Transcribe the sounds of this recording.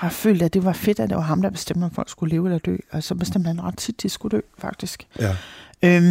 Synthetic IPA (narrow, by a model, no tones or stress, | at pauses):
hɑ̈fø̰ːld̥æd̥e̝ʋɑ̈fe̝d̥æd̥e̝ʋɑ̈ɦɑ̈md̥ɑ̈b̥e̝sd̥em̰d̥æfɒ̽l̰ɡ̥sɡ̥ule̝ːʊelɐd̥ø̰ːɒsɒ̽b̥e̝sd̥emd̥hæðnʁɑ̈d̥t͡sʰid̥ːisɡ̥ud̥ø̰ːfɑ̈ɡ̥̚d̥isɡ̥ | ø